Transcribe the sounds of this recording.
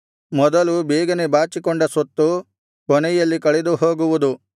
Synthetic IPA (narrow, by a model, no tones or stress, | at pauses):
mɔd̪ɐlubɛːɡɐnebaːt͡ʃikɔɳɖɐsɔt̪ːu | kɔnɛjɐlːikɐɭed̪uɦoːɡuʋud̪u